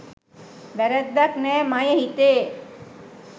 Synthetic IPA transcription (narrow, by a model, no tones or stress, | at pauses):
ʋɛɾɛd̪ːaknɛːmajəɦit̪eː